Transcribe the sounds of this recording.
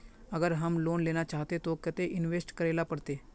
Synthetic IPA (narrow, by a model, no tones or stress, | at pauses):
əɡəɾɦəmloːnleːnaːt͡ʃaːɦt̪eːt̪oːkɪt̪eʔɪnʋeːsʈkəɾeːlaːpəɽt̪eː